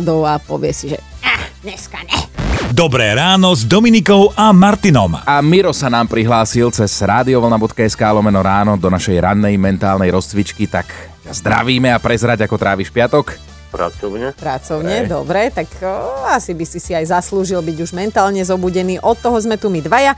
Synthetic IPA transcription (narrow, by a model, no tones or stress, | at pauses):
d̪ɔʊapɔ̰ʋɪɛsiʒɛ̰aɲɛskaɲɛd̪ɔbɾɛːɾaːnɔzd̪ɔminikɔʊʔamaɾt̪inɔ̰mamiɾɔsanaːmpɾiɦlaːsilt͡sɛz̥ɾaːd̪iɔʋlnabɔt̪kaɛskaːlɔmɛnɔɾaːnɔd̪ɔnaʃɛjɾa̰nːɛjmɛnt̪aːlnɛjɾɔst͡sʋit͡ʃkit̪ak | cazd̪ɾa̰ʋiːmɛapɾɛzɾaɟakɔt̪ɾaːʋiːʃpɪat̪ɔk | pɾa̰t͡sɔʊɲɛpɾat͡sɔʊɲɛd̪ɔbɾɛt̪akasibisisiajzasluːʒilbiɟuʒmɛnt̪aːlɲɛzɔbuɟɛniːʔɔt̪ːɔɦɔzmɛt̪umid̪ʋaja